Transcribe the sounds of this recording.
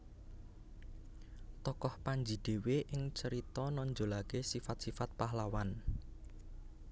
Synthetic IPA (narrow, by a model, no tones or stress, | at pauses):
t̪ɔkɔhpaɲd͡ʒi̤d̪̥e̤weʔɪŋt͡ʃəɾit̪ɔnɔɲd͡ʒo̤lakesifat̪̚sifat̪̚paɦlawan